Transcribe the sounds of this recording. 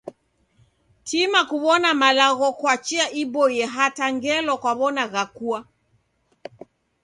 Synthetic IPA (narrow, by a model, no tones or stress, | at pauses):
timakuβɔnamalaɣɔkwat͡ʃiaʔibɔjɛɦataŋɡɛlɔkwaβɔnaɣakua